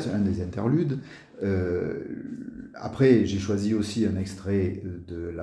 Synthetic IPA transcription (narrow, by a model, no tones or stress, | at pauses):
sɛ̃d̪ezɛ̃t̪ɛʁlyd̪ | ø | a̰pχɛʒeʃwaziosiɛ̃nɛkst̪χɛd̪əla